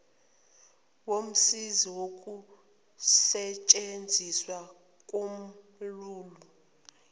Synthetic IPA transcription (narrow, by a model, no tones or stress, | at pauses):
wom̩siziwok̬ʼu | sɛt͡ʃʼend͡zʱiswa | kʼom̩ | luːlu